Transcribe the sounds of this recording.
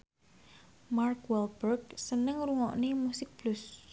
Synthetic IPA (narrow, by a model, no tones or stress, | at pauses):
markwɛlbɛrɡsənəŋɾuŋɔ̰ʔnemusɪk̚b̥lus